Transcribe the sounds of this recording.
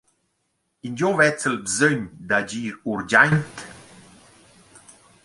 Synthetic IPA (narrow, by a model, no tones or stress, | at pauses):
ind͡ʒovɛt͡səlbzøɲd̪ad͡ʑiːɾuɾd͡ʑajnt̪